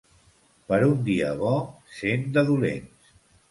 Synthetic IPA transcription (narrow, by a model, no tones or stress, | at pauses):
pəɾund̪iəβɔsend̪əðulḛns